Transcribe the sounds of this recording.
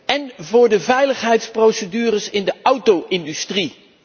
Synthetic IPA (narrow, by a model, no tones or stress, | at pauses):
ɛnvʊːɹdəvɛjləχɦɛjtsprowsədyːrəsɪndəʔɑwtowʔɪndystri